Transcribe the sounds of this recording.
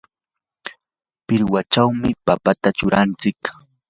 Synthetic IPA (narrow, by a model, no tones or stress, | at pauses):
pɪɾwat͡ʃawmɪpapat̪at͡ʃʊɾant͡sɪk